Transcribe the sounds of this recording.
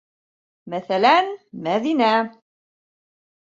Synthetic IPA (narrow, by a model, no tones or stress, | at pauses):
mæθælænmæðinæ